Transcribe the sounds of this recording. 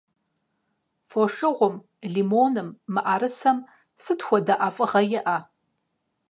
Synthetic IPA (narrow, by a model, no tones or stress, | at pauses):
foʂɨʁʷʊm | ɮimoːnɨmːɨʔaɾɨsɐm | sɨtxʷɔdɐʔafʼɨʁɐjɪʔa